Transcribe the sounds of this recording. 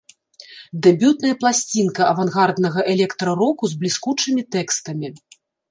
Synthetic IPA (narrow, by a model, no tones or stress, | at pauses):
d̪ɛbʲut̪nɐjɐplˠasʲt͡sʲinkɐɐvanɣard̪nɐɣɐʔɛlʲɛkt̪ɾɐɾɔkuzblʲiskut͡ʂɨmʲit̪ɛkst̪ɐmʲi